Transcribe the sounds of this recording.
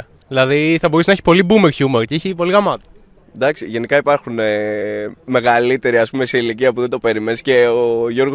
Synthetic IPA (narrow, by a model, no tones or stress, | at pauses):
ilɐðiθɐbo̞ɾusnɐeçi̥po̞libumeɾçumeɾceiçipo̞liɣɐmɐt̪ɐ | d̪ɐksiʝe̞nikɐipɐɾxune | me̞ɣɐlit̪e̞ɾiɐspumeseiliciɐpuðend̪o̞pe̞ɾimenisce̞oʝo̞ɾɣo